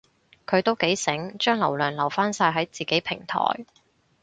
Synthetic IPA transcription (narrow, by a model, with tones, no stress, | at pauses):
kʰɵ˨˧t̪o˥wke˨˥jsɪ˨˥ŋt͡ʃœː˥ŋlɐ˨˩wlœː˨˩ŋlɐ˨˩wfaː˥nsaː˧jɦɐ˨˥jt͡siː˨ke˨˥jpʰɪ˨˩ŋt̪ʰɔ̰ː˨˩j